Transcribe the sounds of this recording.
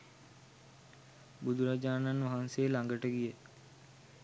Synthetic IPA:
bud̪ʱuɾad͡ʒaːnanʋaɦanseːlaŋɡəʈəɡijə

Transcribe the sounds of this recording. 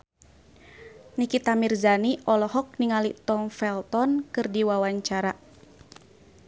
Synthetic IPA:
nikit̪amirzaniʔɔlɔɦɔk̚niŋalit̪ɔmfɛlt̪ɔnkɨrdiwawaɲt͡ʃaɾa

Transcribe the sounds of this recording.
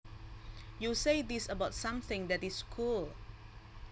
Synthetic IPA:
juseɪdisəbaʊtsãmθɪ̃ŋdɛtiskʰul

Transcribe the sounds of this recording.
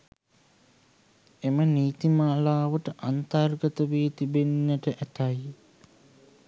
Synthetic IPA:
eməniːt̪imaːlaːʋəʈəʔant̪arɡət̪əʋeːt̪ibenːəʈəʔæt̪aj

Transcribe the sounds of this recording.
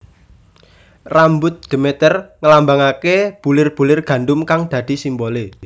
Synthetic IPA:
rambʊt̪̚d̪̥e̤met̪ərŋəlambaŋakeb̥ulɪrb̥ṳlɪrɡ̥ä̤ɳɖʊmkaŋd̪̥ä̤d̪̥i̤simbole

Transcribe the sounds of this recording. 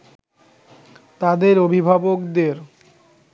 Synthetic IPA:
t̪ad̪eɾobʱibʱabokd̪eɾ

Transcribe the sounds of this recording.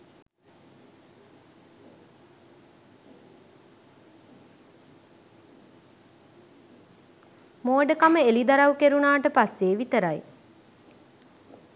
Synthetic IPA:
moːɖəkaməelid̪aɾawukeɾunaːʈəpasːeːʋit̪əɾaj

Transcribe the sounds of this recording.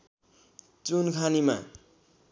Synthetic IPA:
t͡sunkʰanima̰

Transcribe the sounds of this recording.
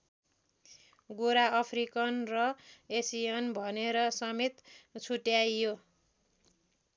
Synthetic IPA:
ɡoɾaʌpʰrikʌnrʌesijʌnbʱʌneɾʌsʌmet̪t͡sʰuʈjajjo

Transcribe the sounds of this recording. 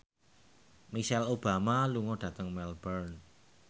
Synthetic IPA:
miʃɛlob̥a̤maluŋɔɖ̥ä̤t̪əŋmɛlbərn

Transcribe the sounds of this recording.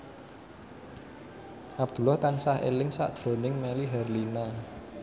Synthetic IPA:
ʔab̥̚d̪̥ṳlɔht̪ansahḛlɪŋsa̰ʔd̥ʒ̥ɾonɪŋmɛliɦɛrlina

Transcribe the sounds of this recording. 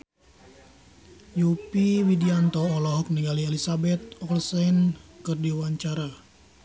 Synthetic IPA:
jupiwidiant̪ɔːlɔɦɔk̚niŋɡaliɛlisabɛt̪̚ɔrsɛnkɨrdiwaɲt͡ʃaɾa

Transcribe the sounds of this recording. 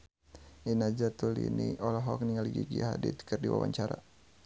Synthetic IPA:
ʔinad͡ʒat̪ulḭniɔlɔɦɔk̚niŋaliɡiɡiaɦadit̪kɨrdiwa̰waɲt͡ʃaɾa

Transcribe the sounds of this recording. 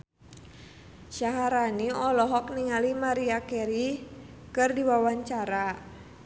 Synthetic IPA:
ʃaɦaɾaniɔlɔɦɔk̚niŋalimaɾiakɛɾikɨrdiwawaɲt͡ʃaɾa

